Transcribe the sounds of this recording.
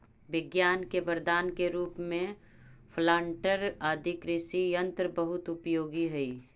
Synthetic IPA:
ʋɪɡjaːnkebəɾd̪aːnkeɾuːpmẽ | pʰlaːɳʈəɾaːd̪ʱɪkɾɪsijə̃nt̪ɾəbəɦʊt̪ʊpjoːɡiɦɛiː

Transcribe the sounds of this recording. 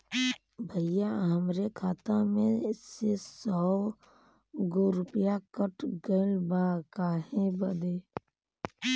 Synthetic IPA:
bʱəjaɦəmɾekʰaːt̪amẽsesɔː | ɡʊɾʊpjakəʈʰɡəlbaːkaːhẽbəd̪e

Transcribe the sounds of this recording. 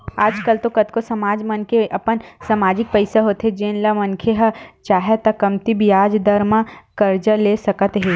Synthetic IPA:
aːd͡ʒkəlt̪okɐt̪kosɐmaːd͡ʒmɐnkeʔɐpənsɐmaːd͡ʒɪk̚pɐɪsaɦoːt̪ɦɛd͡ʒeːnlɐmɐnkʰeɦɐt͡ʃaːɦet̪ɐkɐmt̪ibʱiaːd͡ʒd̪ɐɾmãkɐɾd͡ʒəleːsɐkət̪ɦeː

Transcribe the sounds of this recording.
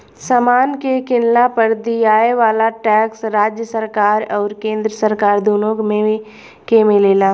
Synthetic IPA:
səmaːnkekɪnlapəɾd̪ijaːeʋaːlaʈɛːksɾaːd͡ʒjəsəɾkaːɾɔːɾkẽːnd̪ɾəsəɾkaːɾd̪uːnoːɡmẽ | kemeleːlaː

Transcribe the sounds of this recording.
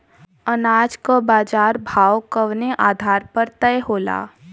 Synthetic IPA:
ənaːd͡ʒkobaːd͡ʒaːɾbʱaːwkəʋneʔaːd̪ʱaːɾpəɾt̪ɛeɦoːla̰ː

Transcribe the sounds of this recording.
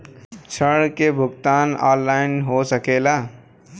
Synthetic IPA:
t͡ʃʰəɽkebʱʊɡt̪aːnɔ̰ːllaːɪnɦosəkeːlaː

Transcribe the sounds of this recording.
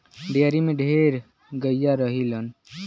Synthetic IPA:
ɖeəɾimẽɖʱeɾ | ɡəjaɾəɦilən

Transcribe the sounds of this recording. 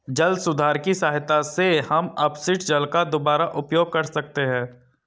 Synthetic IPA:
d͡ʒɐlsʊd̪ʱaːɾkisaːɦɪt̪asehɐmɐpsɪʈd͡ʒɐlkad̪obaːɾaʔʊpjoːɡ̚kɐɾsɐk̚t̪eɦɛ̃ː

